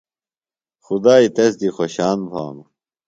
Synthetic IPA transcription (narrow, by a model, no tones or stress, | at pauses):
xud̪aːit̪es̬d̪ixoɕaːnbʱa̰ːm